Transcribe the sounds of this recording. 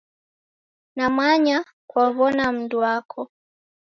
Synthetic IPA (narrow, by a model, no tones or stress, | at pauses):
namaɲa | kwaβɔnam̩duakʰɔ